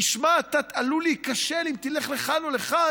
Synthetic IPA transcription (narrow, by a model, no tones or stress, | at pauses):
iʃmaːt̪at̪alulikaʃelimt̪ileχleχanoleχa